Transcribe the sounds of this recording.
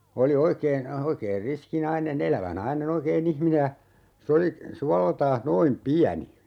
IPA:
oli oikeːn oikeːn riski nɑinen elæʋæ nɑinen oikeːn ihmine jɑ se oli suɑleltɑːh noim piæni

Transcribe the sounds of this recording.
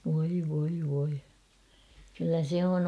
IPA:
ʋoi ʋoi ʋoi kylːæ se on

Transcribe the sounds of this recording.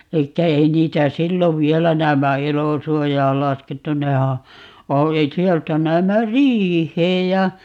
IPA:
elikːæ ei niːtæ silːoʋ ʋiɛlæ næːmːæ elosuojɑːl lɑsketːu nehæ o sieltæ næːmːæ riːhˑeːj jɑ

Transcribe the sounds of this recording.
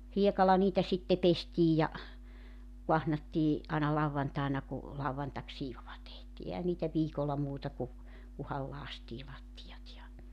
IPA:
hiekɑlɑ niːtæ sitːe pestiːj jɑ kuɑhnɑtːiː ʔɑˑinɑ lɑuwʋɑntɑˑenɑ ku lɑuwʋɑntɑksiːʋoʋɑ tehtiː ehæn niːtæ ʋiːkolːɑ muːtɑ ku kuhɑl lɑːstiː lɑtːijɑt jɑ

